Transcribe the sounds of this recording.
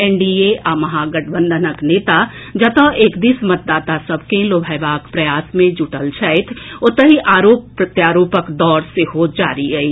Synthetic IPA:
ɛ̃ɳɖieʔaːmɐɦaɡɐʈʰbə̃nd̪ʱənəkneːt̪a | d͡ʒɐt̪əʔeːkd̪ismɐt̪̚d̪aːt̪asɐbkẽloːbʱəɪʋaːkpɾɐjaːsmẽd͡ʒuʈəlt͡ʃʰɛɪt̪ʰʊt̪əɦiʔaːɾoːpːɾət̪jaːɾoːpəkd̪ɔːɾseɦod͡ʒaːɾiɡɐiː

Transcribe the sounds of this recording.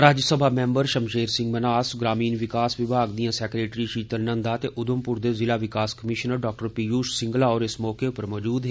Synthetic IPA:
ɾaːd͡ʒsəbʱaːmɛ̃ːmbəɾʃəmʃeːɾsɪ̃ŋɡmənaːsɡɾaːmiːnʋɪkaːsʋɪbʱaːɡd̪ijãːsɛːkɾeːʈɾiːʃiːt̪əɾnə̃nd̪aːt̪eːʔʊd̪ʊmpʊɾd̪eːzɪlaːʋɪkaːskəmɪʃnəɾɖɔːk̚ʈəɾpiːjuːʃsɪ̃ŋɡlaːɔːɾɪsmɔːkeːʊpəɾmɔːd͡ʒuːd̪ɦe

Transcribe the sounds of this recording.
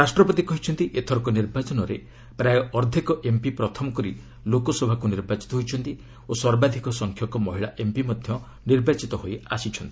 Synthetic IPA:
ɾasʈɾɔpɔt̪ikɔɦit͡ʃʰɔnt̪iʔet̪ʰɔɾɔkɔniɾbat͡ʃɔnɔɾḛ | pɾajɔɔɾd̪ʱikɔʔempipɾɔt̪ʰɔmɔkɔɾi | lokɔsɔbʱakuniɾbat͡ʃi̥t̪ɔɦojt͡ʃʰɔnt̪i | osɔɾbad̪ʱikɔsɔŋkʰjɔkɔmɔɦiɭaʔempimɔd̪ʱjɔ | niɾbat͡ʃit̪ɔɦojasit͡ʃʰɔnt̪i

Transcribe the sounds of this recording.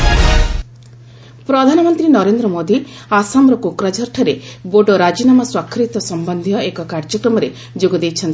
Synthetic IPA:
pɾɔd̪ʱanɔmɔnt̪ɾinɔɾend̪ɾɔmod̪i | asamɾɔkokɾad͡ʒʱɔɾʈʰɔɾeboɖɔɾad͡ʒinamɔswakʰːɾit̪ɔsɔmbɔnd̪ʱijɔekɔkaɾd͡ʒɔkɾɔmɔɾe | d͡ʒoɡɔd̪ejt͡ʃʰɔnt̪i

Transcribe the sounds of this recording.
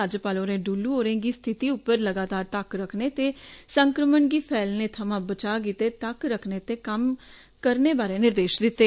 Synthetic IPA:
ad͡ʒpaːloːɾẽːɖuːlːuːɦoːɾẽːɡiːst̪ʰɪt̪iːʊpːəɾləɡaːt̪aːɾt̪əkɾəkʰneːt̪eːsəŋkɾəməɳɡiːpʰɛːlnẽːt̪ʰəmãːbət͡ʃaːɡiːt̪eːt̪əkɾəkʰneːt̪eːkəm | kəɾneːbaːɾẽːnɪɾd̪eːʃd̪ɪt̪ːeː

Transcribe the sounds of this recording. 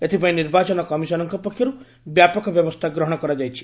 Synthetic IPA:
et̪ʰipaĩniɾbat͡ʃɔnɔkɔmisɔnɔŋkɔpɔkʰːjɔɾu | bjapɔkɔbjɔbɔst̪ʰaɡɾɔɦɔɽ̃ɔkɔɾad͡ʒajt͡ʃʰi̥

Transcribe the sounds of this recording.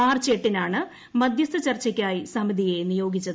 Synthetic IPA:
aːrt͡ɕeʈːinaːɳɨ | mɐd̪jɐst̪ʰːɐt͡ɕɐrt͡ɕːɐkʲːaːjisɐmid̪ʱije̞nijo̞ːɡit͡ɕːɐ

